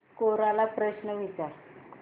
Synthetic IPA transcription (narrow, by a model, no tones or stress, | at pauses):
koɾalapɾəɕnəʋit͡saɾ